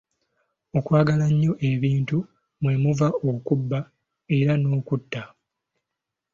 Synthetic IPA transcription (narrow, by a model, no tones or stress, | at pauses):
o̞kwaːɡalaɲːo̞ʔe̞βiːntu | mwe̞muvao̞kubːa | e̞ɾano̞ːkutːa